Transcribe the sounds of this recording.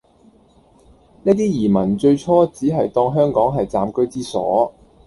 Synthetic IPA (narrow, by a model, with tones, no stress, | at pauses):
neː˥t̪iː˥jiː˨˩mɐ˨˩nt͡ʃɵ˧ɥt͡sʰɔː˥t͡siː˨˥ɦɐ˨jt̪ɔː˧ŋɦœː˥ŋkɔː˨˥ŋɦɐ˨jt͡saː˨mkɵ˥ɥt͡siː˥sɔ̰ː˨˥